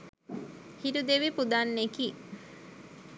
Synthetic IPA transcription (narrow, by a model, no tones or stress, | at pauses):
hiɾud̪eʋipud̪anːeki